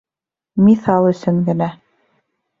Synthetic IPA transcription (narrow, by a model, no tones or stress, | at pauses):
miθɑlˠɵ̆sɵŋɡɘ̆næ